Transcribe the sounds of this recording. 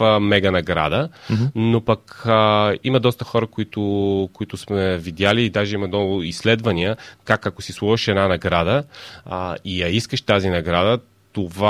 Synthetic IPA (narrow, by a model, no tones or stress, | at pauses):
mɛɡɐnɐɡɾa̰d̪ənopɐk | imɐd̪ɔst̪əxɔɾəkoit̪ʊkoit̪ʊsmɛvid̪ʲjaliːd̪aʒɛimɐd̪ɔɡʊislɛd̪vɐniəkakɐkosislˠuvəʃɛd̪nanɐɡɾad̪ə | iɐiskəʃt̪azinɐɡɾad̪ə | t̪ova